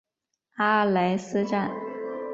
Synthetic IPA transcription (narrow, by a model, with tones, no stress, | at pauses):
a˥la˧˥ɪsɹ̩˥ʈ͡ʂa˥˩n